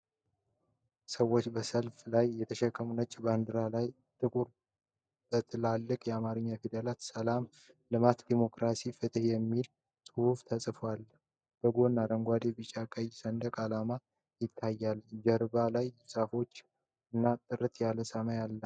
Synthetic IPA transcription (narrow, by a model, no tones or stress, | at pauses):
səwːot͡ʃːbəsəlflajːɛt̪ʰəʃɛkʼːəmunət͡ʃʼːband̪ɨɾalaj | t̪ʼɨkʼuɾ | tʼət̪ʰlalːɨkʼjɛamaɾɨɲːafid̪əlat̪səlam | lɨmat̪d̪imo̞kɾasifɨt̪ʰʼəhjɛmːil | sʼɨhuft̪ʰəsʼɨfwalː | b̥əɡo̞nːaɾəŋɡʷwad̪ebɨt͡ʃʼakʼəjsənd̪əkʼalama | jɪt̪ʰːajːald͡ʒɛɾbalajsʼəfo̞t͡ʃː | ɨnːat̪ʼɨɾɨt̪ʰjaləsəmajalːə